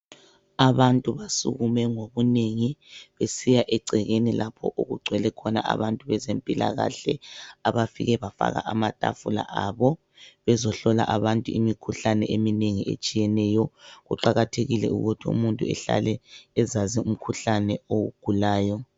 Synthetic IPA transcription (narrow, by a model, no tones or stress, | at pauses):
aβantʼuβasṵɣumɛŋoβuneŋiβesijaʔɛǀʱɛɣenilapʰɔ̰ʔuɣuɡ͡ǀʱwɛlɛkʰɔna̰ʔa̰βantʼuβɛzempʼila̰ɣa̰ɬɛaβafḭɣɛβafa̰ɣa̰ʔamatʼa̰fula̰ʔaβɔ | βɛzɔɬɔla̰ʔaβantʼuimikʰuɬanɛʔemineŋiʔḛt͡ʃʼijɛnɛjɔɣuǃaɣatʰeɣilɛ̰uɣutʰiṵmuntʼuɛ̰ɬa̰lɛːzazium̩kʰuɬanɛoɣuɡ̥ʱulaːjɔ